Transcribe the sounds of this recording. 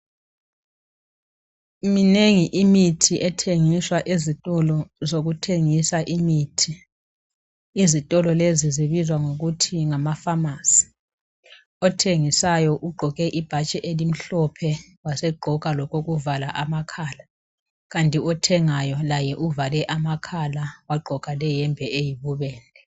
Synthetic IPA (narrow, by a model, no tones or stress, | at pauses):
mineŋiʔimitʰiʔɛtʰeŋiswaʔezitʼɔlɔzoɣutʰeŋisaʔimiːtʰi | zitʼɔlɔleziziβizwaŋoɣutʰiŋamafamaːsi̥ | ɔtʰeŋisajɔʔuɡ͡ǃʱɔɣɛʔib̥ʱat͡ʃʼɛʔelim̩ɬɔpʰɛ | wasɛɡ͡ǃʱɔɣʼalɔkoɣuvalaʔamakʰaːla | ɣantʼiɔtʰɛŋajɔlajɛʔuvalɛʔamakʰalawaɡ͡ǃʱɔkʼalɛjɛmbʱɛʔejiβuβɛːlɛ